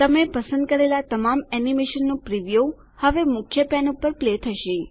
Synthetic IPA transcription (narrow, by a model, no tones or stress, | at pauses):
t̪əmepəsə̃nd̪̚kəɾelat̪əmamɛnimeʃənːũpɾiʋijo | həʋemʊkʰjəpɛnupəɾplet̪ʰəʃe